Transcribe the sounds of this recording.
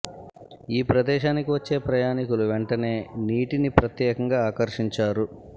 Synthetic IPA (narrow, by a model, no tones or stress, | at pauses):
iːpɾɐd̪ɛːʃaːnikiʋɐt͡ʃːe̞ːpɾɐjaːnikuluʋeɳʈɐne̞ːniːʈinipɾɐt̪jɛːkɐŋɡaːaːkɐɾʂiɲt͡ʃaːɾu